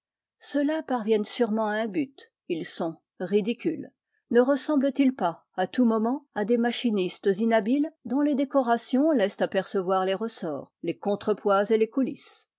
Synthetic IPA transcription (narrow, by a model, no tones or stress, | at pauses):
səlapaʁvjɛnsyʁmɑ̃aɛ̃byt̪ | ilsɔ̃ | ʁid̪ikʲyl | nəʁəsɑ̃blət̪ilpa | at̪umɔmɑ̃ad̪emaʃinist̪əzinabild̪ɔ̃led̪ekɔʁasjɔ̃lɛst̪apɛʁsəvwaʁleʁəsɔːʁlekɔ̃t̪χəpwazelekulḭs